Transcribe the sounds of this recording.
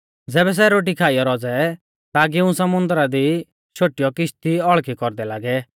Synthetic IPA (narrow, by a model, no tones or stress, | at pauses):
d͡zɛːbɛs̬ɛɾoːʈ̬ikʰaːijɔɾɔd͡zɛ | t̪ak̬iʊ̃sɐmʊ̃nd̪ɾad̪i | ʃʰoːʈijɔkɪʃt̪iɔɭkʰikɔɾd̪ɛlaːɡɛ